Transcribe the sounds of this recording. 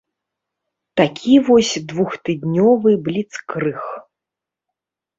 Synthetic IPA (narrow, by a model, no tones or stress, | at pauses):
t̪akʲʰivɔsʲd̪vuxt̪ɨd̪ʲnʲɔvɨblʲit̪skɾɨx